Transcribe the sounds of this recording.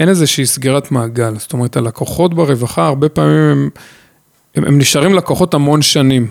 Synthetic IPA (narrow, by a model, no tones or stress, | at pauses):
ʔe̞ne̞zeʃiːsɡiʁat̪maːɡalzot̪ome̞ʁetalakoχo̞tbeʁe̞vaχaːʁbe̞paːmimem | eʔḛmniʃaʁimlakoχo̞thamo̞nʃanim